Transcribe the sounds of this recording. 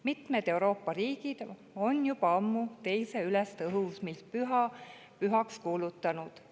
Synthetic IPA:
mit̪med̪̥e̞uwɾo̞ːpːˑɑɾiːɡ̥id̪̥ | o̞njubɑɑmːut̪e̞jse̞ylest̪ɤɦusmilt̪̚pyɦɑ | pyɦɑkskuːlut̪ːˑɑnud̪̥

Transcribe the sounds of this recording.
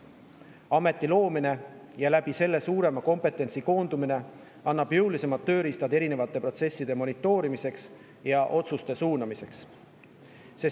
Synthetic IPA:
ɑme̞t̪ːˑilo̞ːmine̞jɑlæb̥ise̞lːe̞suːɾe̞mɑko̞mpe̞t̪ːˑe̞nt̪siko̞ːnd̪̥umine̞ | ɑnːɑb̥juwlise̞mɑlt̪ːø̞ːɾist̪ɑd̪e̞ɾine̞vɑt̪ːˑe̞pro̞t̪se̞sːid̪̥e̞mo̞nit̪ːˑo̞ːɾimise̞ks | jɑʔo̞t̪sust̪e̞suːnɑmise̞ks | se

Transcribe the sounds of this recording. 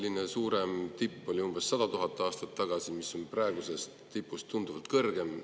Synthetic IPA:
lːinesuːɾe̞mt̪ipːo̞lʲiumbe̞sːɑd̪̥ɑt̪uɦɑt̪ˑːɑːst̪ɑt̪ːɑɡ̥ɑsimisːo̞nprɑe̞ɡuse̞st̪t̪ipːˑust̪und̪uvɑlt̪̚kɤrɡ̥e̞m

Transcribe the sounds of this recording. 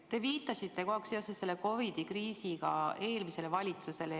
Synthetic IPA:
t̪e̞viːt̪ːˑɑsit̪ːe̞ko̞hɑkse̞osesːe̞lːeko̞vid̪̥ikriːsiɡ̥ɑe̞ːlmise̞le̞vɑlʲit̪suse̞le

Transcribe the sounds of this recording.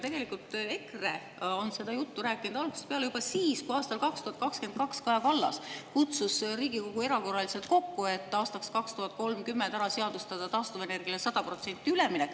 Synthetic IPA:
t̪e̞ɡ̥e̞likːˑult̪ˑe̞kre | o̞nse̞d̪̥ɑjut̪ːuɾæːkːˑinud̪ɑlɡ̥use̥t̪peɑlejub̥ɑsiːskuɑːst̪ɑlkɑkst̪uhɑt̪̚kɑkske̞nd̪̚kɑkskɑjɑkɑlːɑ̰skut̪susriːɡiko̞ɡ̥ue̞ɾɑko̞rɑlise̞lt̪̚ko̞kːue̞t̪ːˑɑːst̪ɑkskɑkst̪uhɑt̪̚ˑko̞lmkymːend̪æɾɑseɑd̪ust̪ɑd̪̥ɑt̪ɑːst̪ovene̞rɡ̥iɑlesɑd̪̥ɑpro̞t̪se̞nʲt̪ːˑiyleminek

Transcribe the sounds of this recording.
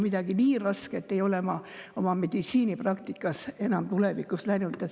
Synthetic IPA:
mid̪ɑɡ̥iniːrɑsket̪ːˑe̞jo̞lemɑo̞mɑme̞d̪̥it̪siːniprɑkt̪ikːˑɑse̞nɑmt̪ule̞vikːˑuslæjnut̪ːˑɑ

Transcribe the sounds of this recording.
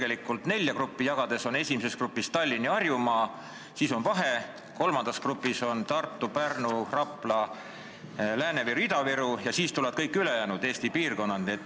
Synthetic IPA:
ɡe̞likːˑult̪ne̞lʲjɑkrupːijɑɡ̥ɑd̪̥e̞so̞ne̞simese̞skrupːˑist̪ɑlʲːiniɑrjumɑː | siːso̞nvɑɦe̞ | ko̞lmɑnd̪̥ɑskrupːˑiso̞nt̪ɑrt̪ːˑupærnurɑplɑ | læːneviɾuid̪ɑviɾujɑsiːst̪ulɑd̪̚kɤjkːˑylejæːnud̪eːst̪ipiːrko̞nːɑnet̪ː

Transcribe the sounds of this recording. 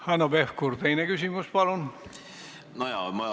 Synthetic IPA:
hɑnobefkurt̪einekysimuspɑlon | nojɑm

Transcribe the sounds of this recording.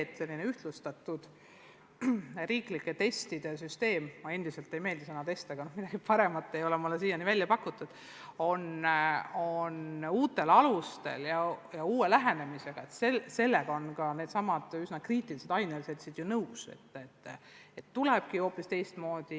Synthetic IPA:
t̪ːse̞lʲːineyht̪lust̪ɑt̪ːˑud̪̥ | riːklikːˑe̞t̪e̞st̪id̪̥e̞syst̪e̞ːmmɑe̞nd̪̥ise̞lt̪ːe̞jme̞ːld̪isɑnɑt̪e̞st̪ɑɡɑnohmid̥̪ɑɡ̥ipɑɾe̞mɑt̪ːˑe̞jo̞lemolːesijɑnivælʲjɑpɑkːˑut̪ːˑud̪̥ | o̞n | onuːt̪ːˑe̞lɑlust̪e̞̰ljɑjɑuːelæɦe̞ne̞mise̞ɡ̥ɑe̞t̪sese̞lːeɡ̥ɑo̞nkɑne̞ːd̪̥sɑmɑd̪̥ysnɑkriːt̪ːˑilise̞d̪ɑjneliset̪sid̪̥junɤwsḛt̪ːet̪ːet̪ːuleb̥kio̞ːpːˑist̪e̞jst̪mo̞ːd̪̥i

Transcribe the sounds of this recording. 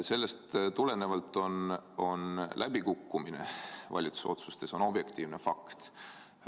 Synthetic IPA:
se̞lːe̞st̪t̪ule̞nevɑlt̪ːˑo̞no̞nlʔæb̥ikukːumine̞̰vɑ̰lʲit̪su̥so̞̰t̪su̥st̪e̞so̞no̞b̥je̞kt̪iːvne̞fɑ̰kt̪

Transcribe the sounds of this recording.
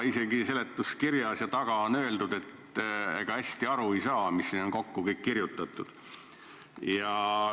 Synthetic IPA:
ise̞ɡise̞le̞t̪ːˑuskirjɑsjɑt̪ɑɡ̥ɑonø̞eld̪ud̪̥e̞t̪ḛɡ̥ɑhæsʲt̪iɑɾuejsɑːmisːino̞nko̞kːukɤjkːirjut̪ːˑɑt̪ːˑud̪̥ | jɑ

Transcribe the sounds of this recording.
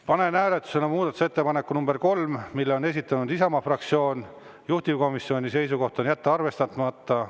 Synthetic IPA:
pɑne̞næːlet̪ːˑu̥se̞nɑmuːd̪ɑt̪ːu̥se̞t̪ːe̞pɑnekːunumb̥e̞rko̞lmmilːeone̞s̬ʲit̪ːˑɑnud̪isɑmɑfrɑk̚t̪sio̞ːn | juht̪ivko̞misːjo̞nʲise̞jsuko̞ht̪onjæt̪ːeɑrve̞st̪ɑt̪mɑt̪ːˑɑ

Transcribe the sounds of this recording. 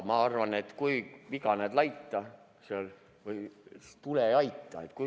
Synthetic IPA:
mɑɑrʋɑne̞t̪kujʋikɑned̪̥lɑjt̪ːɑ | seol | ʋɯjt̪uleɑjt̪ːˑɑ̰et̪ku

